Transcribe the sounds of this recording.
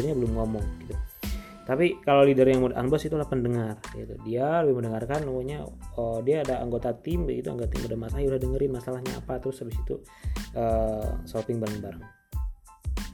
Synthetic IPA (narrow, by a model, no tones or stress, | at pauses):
ərɲabəlʊmŋomɔŋɡit̪u | t̪apikalowlidərjaŋmudaʔa̰nbɔsit̪ulahpəndəŋarɡḭt̪udialəbɪhməndəŋarkanuuɲaədiaːdaaŋɡot̪at̪ɪmbəɡit̪ua̰ŋɡat̪ɪmudamasaiudahdəŋəɾɪnmasalahɲa̰a̰pat̪əɾʊsabisit̪ṵ | əsopɪŋbaɾəŋbaɾəŋ